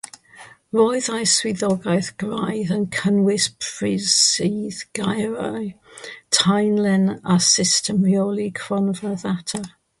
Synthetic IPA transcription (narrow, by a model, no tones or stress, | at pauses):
rɔjðajswɪðɔɡajθɡ̥rajðənkʰənwɪspʰɹɪzsiːðɡ̥ajɾaj | tʰajnlɛnasɪstʰəmrioːlˠikʰrɔnvəðatʰa